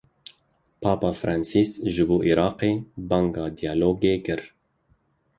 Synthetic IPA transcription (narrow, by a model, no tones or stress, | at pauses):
pʰɑːpɑːfɾʔɑnsisʒɨboːʔiɾɑːqeːbɑŋɡɑːd̪ijɑːloːɡeːkɨɾ